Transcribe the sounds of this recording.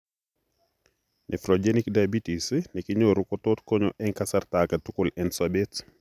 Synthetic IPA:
nʔɛfɾod͡ʒenikdabitisnikiɲoːɾukɔtotkɔɲɔʔɛŋkɐsartakɐtukulɛnsabet

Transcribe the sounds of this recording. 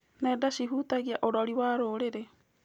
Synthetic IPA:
neːdasiɦutaɣiaʔoɾoɾiwaːɾoːɾeɾe

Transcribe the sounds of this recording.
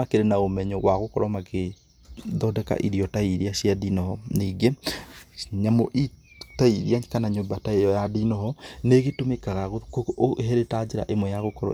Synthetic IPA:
akeɾenaomɛɲɔwaɣokɔɾɔmake | ðɔdɛka̰ʔiɾiɔtaiɾiaʃjadinɔhɔniːɡe | ɲamɔʔi | taiɾiakanaɲoːmbataejɔjadinɔhɔneɣetomekaɣaɣokːɦɛɾetad͡ʒeɾa̰ʔemwɛjaɣokɔɾɔ̰

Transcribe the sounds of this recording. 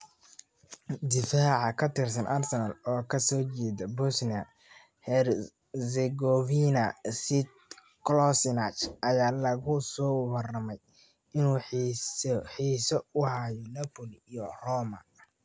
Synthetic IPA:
d̪ɪfaːʕɑkʰɐt̪ʰɪrsɐnʔɐrsɛnɐlɔːkʰɐsɔːt͡ʃɛːdɐbɔsniɐ | hɛr | sɛɡɔvinɐsɪt̪̚ | klɔsnat͡ʃʔɐjaːlɐɣʊsɔːwɑrɐmɛj | ɪnuː | ħiːsɔʊhajɔnɐpɔliijɔrɔːmɐ

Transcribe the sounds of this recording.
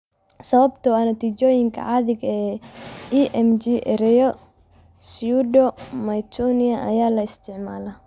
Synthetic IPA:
sɐβɐbt̪ʰɔɐnɐt̪ʰiːt͡ʃɔːjɪŋkʰɐ̰ʕɑðɪɡɐɛːiːʔɛmd͡ʒiʔɛɾɛjɔ | sjudɔmɐjt̪ʰɔniɐʔɐ̰jaːlɐɪst̪ʰɪʕmaːlɐ

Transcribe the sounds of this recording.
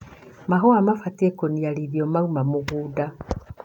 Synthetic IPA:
maɦoamafatekonialiðjomaumamuɣuːda

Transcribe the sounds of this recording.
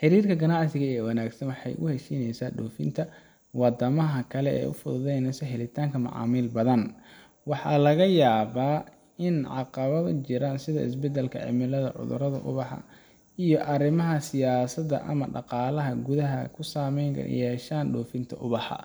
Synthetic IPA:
ħɪɾiːrkʰɐɡɐnɑʕsɪɣɐɛːwɐnaːɡsɐnwɑħɑjʔʊhɛʃiːnɛjsaːɖɔːfɪ̰nt̪ʰɐ | wɑd̪ɐmɐɦɐkʰɐlɛɛ̰ːʊ̰fʊðʊðɛjnɛsɐhɛlɪt̪ʰaːŋkʰɐmɑ̰ʕɑ̰ːmɪlbɐðɐn | wɑħɑːlɐɣɐjaːβaː | ɪnʕɑ̰qɑβɐðɐ̰t͡ʃɪɾaːnsɪðɐɪ̰s̬bɛd̪ɛlkʰɐ̰ʕɪ̰mɪlɐðɐ̰ʕʊ̰ðʊ̰ɾɐðɐ̰ʔʊ̰βɑħɑ̰ | ijɔʔɐɾɪmɐɦɐsɪjaːsɐd̪ɐ̰ʔɐ̰mɐɖɑqɑːlɐɦɐɡʊðɐɦɐkʰʊsaːmɛjŋ̰jɛːʃaːnɖɔːfɪnt̪ʰɐ̰ʔʊβɑħɑ̰

